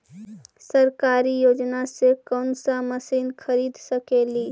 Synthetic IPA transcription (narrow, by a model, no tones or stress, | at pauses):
sɐɾkaːɾijoːd͡ʒnasekɔːnsaməsiːnxʰɐɾiːd̪səkeːliː